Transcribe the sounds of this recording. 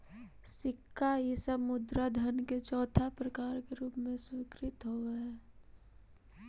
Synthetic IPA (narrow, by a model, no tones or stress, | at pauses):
sɪkʰːajesəbmʊd̪ɾad̪ʱənket͡ʃɔːt̪ʰapɾəkaːɾkeɾuːpmẽswɪkɾɪt̪ɦoɛ